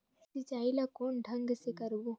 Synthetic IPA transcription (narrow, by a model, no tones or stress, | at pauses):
sit͡ʃaːilakoːnɖʱɐŋɡsekɐɾboː